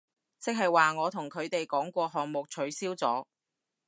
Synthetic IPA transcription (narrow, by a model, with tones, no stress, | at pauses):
t͡sɪ˥k̚ɦɐ˨jwaː˨ŋɔː˨˧t̪ʰʊ˨˩ŋkʰɵ˨˧ɥt̪e˨jkɔː˨˥ŋkʷɔː˧ɦɔː˨ŋ̚mʊ˨k̚t͡ʃʰɵ˨˥ɥsiː˥wt͡sɔː˨˥